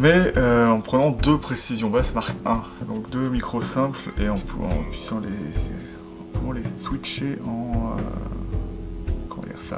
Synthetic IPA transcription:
mɛøɑ̃pχənɑ̃d̪øpχesizjɔ̃basmaʁkɛ̃ | d̪ɔ̃kd̪ømikχosɛ̃pleɑ̃puɑ̰̃pɥisɑ̃lḛ | ɑ̃puvɑ̃leswit͡ʃeɑ̃ø̰ | kɔmɑ̰̃d̪ḭʁsa̰

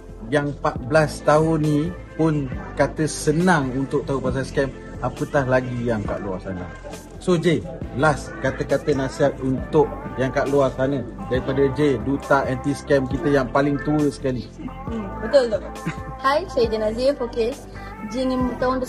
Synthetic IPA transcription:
jaŋpaʔ̪̚blast̪aʊnːĩ | pʊnkat̪əsənaŋunt̪ʊʔ̚t̪aɦupas̬anskɛm | apət̪ahlaɡijaŋka̰ʔlua̰rsanə̰̃ | sod͡ʒe | las | kat̪əkat̪ənasiɦat̪̚unt̪ʊʔ̚jaŋkaʔluarsanə̃daɾipadəd͡ʒedut̪aʔɛnt̪iskɛmkit̪əjaŋpalɪŋt̪uəsə̥kali | bət̪ʊlu | hajsajəd͡ʒənazimfokes | d͡ʒiŋimət̪aʊnd̪ə

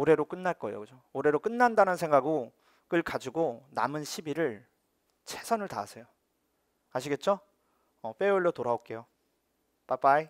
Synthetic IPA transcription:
oɾe̞ɾok͈ɯnːaɭk͈ʌejo̰kɯd͡ʑooɾe̞ɾok͈ɯnːandanɯnsʰe̞ŋɡaɡo | k͈ɯɭkad͡ʑiɡona̰mɯnɕʰibiɾɯɭ | t͡ɕʰe̞sʰʌnɯɭtaːsʰe̞jo | aɕʰiɡe̞t̚t͡ɕ͈o | ʌp͈e̞uɭːotoɾaok͈e̞jo | pap͈ai

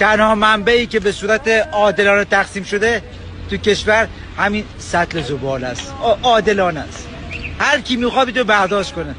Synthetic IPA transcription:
t̪ʰænhɒːmæmbæiːce̞be̞suːɾæt̪ʰeɒːd̪e̞lɒːnet̪ʰæχsiːmʃo̞d̪e | t̪ʰuce̞ʃvæɾ | hæmiːn | sæt̪lezobɒːlæsʔɒːd̪e̞lɒːnæst̪ | hæɾcʰiːmiːxɒːb̪it̪obæɾd̪ɒːʃt̪̚kone

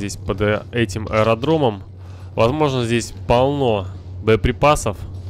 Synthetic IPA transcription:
zʲdʲesʲpəd̪ɛtʲɪmɐ̰əɾɐd̪ɾo̞məm | vɐzmo̞ʐnəzʲdʲesʲpɐlˠno̞bəəpɾʲɪpasəf

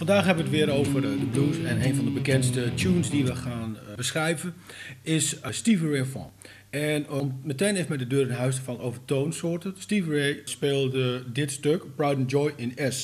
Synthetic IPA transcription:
fɑndaːxɦɛbəʋətʋɪəɾowvərdəbluːsɛneːnfɔndəbəkɛntstətjuːnsdiʋəχaːnbəsχrɛjvən | ɪsəstivənɹefɔ̰̃ | ɛnmməteːnɪsmɛdədøːrənɦœɥsdəfɔnoːvərtoːnsʊːrtənstivənɹespeːlˠdədɪtstøkbrawdənd͡ʒɔjʔɪnɛs

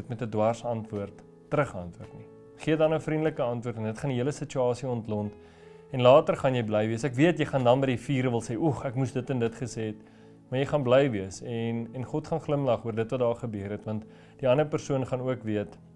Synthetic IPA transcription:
ətmɛtədwɐrsɐntvuərtː | əɾəχɐ̰ntvuərtni | χiədɐnəfrindələkəɐntvuətɛndətχɐniiələsət͡ʃyɑːsiɔntlɔnt | ɛnlɑːtərχɐnjɛjblɛjviəsækviətjəjχɐndɐnbəjdifiːɾəvəlˠsɛːʔɔχækmusdətɛndətχəseːt | mɐjəjχɐnblɛjviəsɛnɛnχɔtχɐnχləmlɐχuərdətvɐt̚dɑːχəbøəɾɛtvɐnt | d̥iɐnəpərsuənχɐnuəkviət

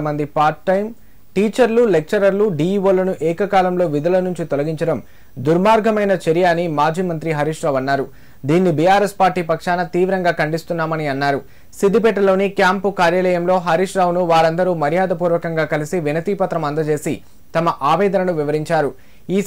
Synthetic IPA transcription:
ɐmɐnd̪ipaːɾʈːɐjm | ʈiːt͡ʃɐɾlulek̚t͡ʃɐɾɐɾluɖiːʋoːlɐnuʔɛːkɐkaːlɐmlo̞ːʋid̪ɐlɐnuɲt͡ʃit̪ɔlɐɡiɲt͡ʃɐɽɐm | d̪uɾmaːɾɡʱɐmɐjnɐt͡ʃeɾijaːnimaːd͡ʒʱiːmɐnt̪ɾiɦɐɾiːʂɾaːʋɐnːaːɾu | d̪iːnːibijaːɾespaːɾʈiːpɐkʂaːnɐt̪iːʋɾɐŋɡaːkʰɐɳɖist̪unːaːmɐniɐnːaːɾu | sid̪ʱːipɛːʈ̬ɐlo̞ːnikjaːmpukaːɾjaːlɛːjɐmlo̞ːɦɐɾiʂɾaːʋnuʋaːɾɐnd̪ɐɾuːmɐɾjaːd̪ɐpuːɾʋɐkɐŋɡaːkɐlisiʋinɐt̪iːpɐt̪ɾɐmɐnd̪ɐt͡ʃe̞ːsi | t̪ɐmɐʔaːʋɛːd̪ɐnɐnuʋiʋɐɾiɲt͡ʃaːɾu | iː

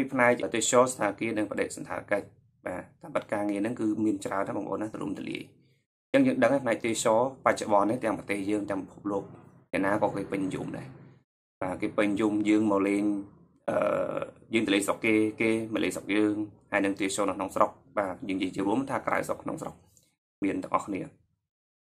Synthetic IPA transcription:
piːpʰnaɛk̚ʔəːt̪iət͡ɕɔːst̪ʰaːkiənɨŋpə̆ɗeːʔ̚sɑnt̪ʰa̰ːkəc̚ | ɓaːt̪aːmɓɨt̪̚kaːŋiənɨŋkɨːmiənt͡ɕraənːaɓɑ̰ŋʔo̰ːnːaht̪lṵəmt̪olḭəj | ɲt͡ɕəŋjəːŋɗəŋajpʰnaɛk̚t̪iət͡ɕɔːpac̚t͡ɕoɓɑnːiht̪ɛ̆əŋprɑt̪eːhjəːŋt̪ɛ̆əŋpipʰup̚loːk̚ | nɛ̆əʔnaːkɑːkeːpɨɲnjṵmɗa̰ɛ | ɓaːkeːpɨɲjumjəːŋmɑːleːɲ | ʔə̰ːjəːŋt̪əliəjsokːeːkeːməlʔeːsok̚jəːŋhaɛjnɨŋt̪iət͡ɕoːnɨkʰnoŋsrok̚ɓaːjəːŋjiəjt͡ɕiəɾuəmt̪ʰaːkra̰wsokʰno̰ŋsro̰k̚ | miənt̪ɑŋʔɑ̰hxkʰniə

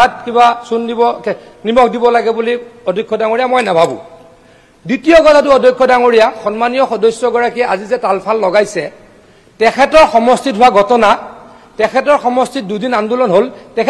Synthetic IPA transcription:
at̚kibasundibɔ | nimɔk̚dibɔlaɡɛbuliɔdʱikʰːɔdaŋoɹijamɔjnabʱabṵ̃ | ditijɔɡɔtʰatʊɔdʱɔkʰːɔdaŋoɹijaxɔnmanijɔxɔdɔjsjɔɡɔɹakiɛazizɛtalpʰalːɔɡajsɛ | tɛkʰɛtɔɹxɔmɔstitɦʊwaɡʱɔtɔna | tɛkʰɛtɔɹxɔmɔstit̚dudinandulɔnɦoltɛkʰ

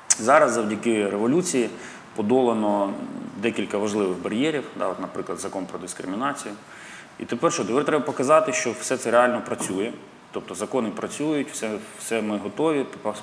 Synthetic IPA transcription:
zɑɾɐzzɐwdʲɐkɪɾeʋɔlʲut͡sʲiji | pɔd̪ɔlˠenɔd̪ɛkʲilʲkɐʋɐʒlˠɪʋɪɣbɐɾʲjɛɾʲiwd̪ɑ̰ɔt̪nɐpɾɪklˠɐd̪zɐkɔnpɾɔd̪ɪskɾɪmʲɪnɑt͡sʲijʊ | ḭt̪epɛrʃɔt̪ɛpɛrt̪ɾɛbɐpɔkɐzɑt̪ɪʃt͡ʃɔwsɛt̪sɛɾeɑlʲnɔpɾɐt͡sʲujɛ | t̪ɔp̚t̪ɔzɐkɔnɪpɾɐt͡sʲujʊtʲwsɛwsɛmɪɦɔt̪ɔʋʲipp

